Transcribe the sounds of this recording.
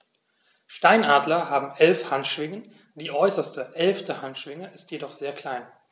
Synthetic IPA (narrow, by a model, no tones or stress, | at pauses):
ʃtaɪnʔaːdlɐɦaːbm̩ʔɛlfhantʃv̥ɪŋən | d̥iːʔɔʏsɐstəʔɛlftəhantʃv̥ɪŋəʔɪstjedɔχz̥eːɐkʰl̥aɪn